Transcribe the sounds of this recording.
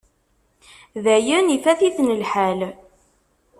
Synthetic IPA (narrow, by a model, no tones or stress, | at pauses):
ðæjænifæθiθnəlħæl